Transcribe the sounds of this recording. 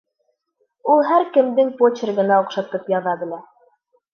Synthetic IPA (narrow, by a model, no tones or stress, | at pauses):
ulˠɦæɾkɘ̆md̪ɘŋpot͡ɕɪ̆rɡɤ̆nɑoqʃɑt̪ɤpjɑðɑbɘ̆læ